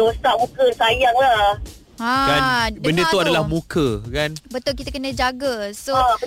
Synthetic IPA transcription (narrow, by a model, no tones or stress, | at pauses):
osamũkəsajaŋla | ãkanbdəbənndət̪uadalahmũkʰəkanbət̪ʊlkit̪akənə̃d͡ʒaɡəsoa